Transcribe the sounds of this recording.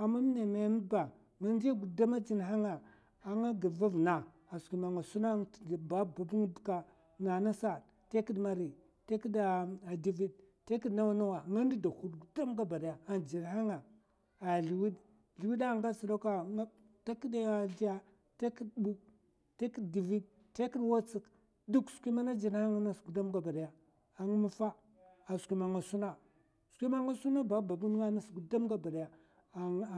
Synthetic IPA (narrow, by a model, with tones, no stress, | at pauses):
a˨ma˦m˦ne˨ma˨˦m˦ba˨ | ŋa˦nd͡ʒi˦ɡu˨da˦ma˦d͡ʒi˨n˨ɦa˦ŋa˨ | a˨ŋa˦ɡi˨va˦vna˨ | a˨ski˨ma˨ŋa˨su˦na˦ŋ˦˨ba˦ba˨bu˦ŋ˦˨ka˨ | na˨na˦sa˦˨d | te˦ki˦dma˨ɾi˨ | te˦ki˦da˨a˨di˦vi˦d | te˦ki˦dna˦wa˦na˦wa˨ŋa˦n˦di˦da˨hu˦dɡu˨da˦mɡa˦ba˨da˨ja˨a˨nd͡ʒi˨nha˦ŋa˨ | a˨ɮi˨wi˦d | ɮi˨wi˦da˦˨ŋɡa˦su˨ɾo˦ka˦˨a˦ | ta˦ki˦da˦a˦˨d͡ʒi˦a˦ | ta˦ki˦dbu˦ | te˦ki˦di˨vi˦d | te˦ki˦ɗwa˦t͡si˨k | du˦kskʷi˦ma˦na˦d͡ʒi˨n˦ha˦ŋa˦na˦su˨da˦mɡa˨ba˨da˨ja˨ | a˨ŋ˦mu˦fa˦ | a˨skʷi˦ma˨ŋa˨su˦na˦˨ | su̥˨kʷi˦ma˦ŋa˦su˦na˦ba˦ba˨ɡu˦n˦ŋa˦na˦sɡu˨da˦mɡa˦ba˨da˨ja˨